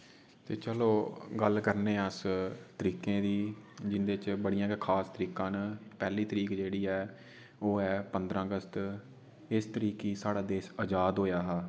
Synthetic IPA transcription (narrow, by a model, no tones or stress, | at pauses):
t̪eːt͡ʃəloːɡəlkəɾnẽːəst̪əɾiːkẽːd̪iːd͡ʒɪnd̪eːt͡ʃbəɽijãːkʰaːst̪əɾiːkãːnːpɛːliːt̪əɾiːkd͡ʒeːɽiːɛː | oːɛːpənd̪ɾãːəɡəst̪ | ɪst̪əɾiːkeːsaːɽaːd̪eːsəd͡ʒaːd̪ɦoːjaːɦaː